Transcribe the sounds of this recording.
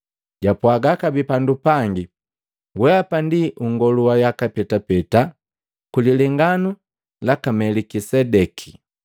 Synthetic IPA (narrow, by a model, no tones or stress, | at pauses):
ɟapwaɡakabipandupaŋɡi | ɡwɛapandiʔuŋɡɔluwajakapɛtapɛta | kulilɛŋɡanu | lakamɛlikisɛdɛkʰi